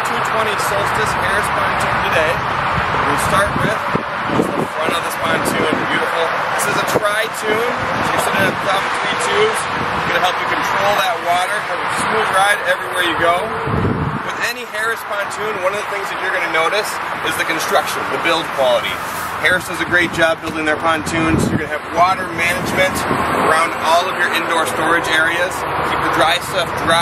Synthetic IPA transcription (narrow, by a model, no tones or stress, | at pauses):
tʰʉtʰw̥ɛ̃ɾ̃isoʊstɨshɛɹɨspʰɑ̃ntʰʉ̃ntɨdeɪ̃ | wilˠstɑɹt̚wɪð̥ | fʌ̃mfɹʌ̃ɾ̃ʌvðɪspʰɑ̃ntʰʉ̃nbjʉɾəfl̩ˠ | ðɪsɨzɨtʰɹ̥aɪtʰʉ̃n | tʰɪsʌ̃nɨpʰɹ̥ɑbɨ̃sɹitʰʉz̥ | jɨɡʌɾɨɦɛlˠpjɨkɨ̃ntʰɹ̥oʊlˠðət̚wɔɾə˞hɛɨɨsmuɹaɪɾɛvɹiwɛɹjɨɡoʊ | wʌðɛnihɛɹɨspʰɑ̃ntʰʉ̃nwʌ̃nʌvðəθɪ̃ŋzðɨt͡ʃə˞ɡʌnɨnoʊɾɨs | ɨzðɨkɨ̃n̩stɹ̥ʌkʃɨ̃n̩ðɨbɪlˠd̚kʰw̥ɑlˠəɾḭ | hɛɹɨsn̩zɨɡɹeɪt̚d̥ʒ̥ɑb̚ɪlˠdɪ̃ŋðə˞pʰɑ̃ntʰʉ̃nsjə˞ɡʌnɨːvwɔɾə˞mænɨd͡ʒmɨ̃ntə˞ãʊ̃ndɔlˠʌvjə˞ʔɪ̃ndɔɹstɔɹɨd͡ʒɛɹiɨz̥ | kʰikɨdɹaɪstʌfdɹa